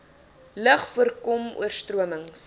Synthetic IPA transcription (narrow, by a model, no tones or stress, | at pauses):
ləχfuərkɔmṵərstruəməŋs